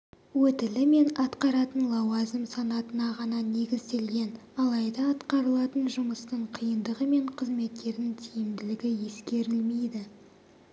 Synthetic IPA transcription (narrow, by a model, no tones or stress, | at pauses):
wɵt̪ɪlɪme̞nɑt̪qɑɾɑt̪ənlˠɑwɑzɪmsɑnɑt̪ənɑʁɑnɑne̞ɡʲɪzt̪e̞lɡʲe̞n | ɑlˠɑjd̪ɑɑt̪qɑɾəlˠɑt̪ənʒʊməst̪əɴqʰijənd̪əʁəme̞ɴqʰəzme̞t̪̚kʲe̞ɾd̪ɪŋt̪ʰijɪmd̪ɪlɪɡʲɪje̞skʲe̞ɾɪlme̞jd̪ɪ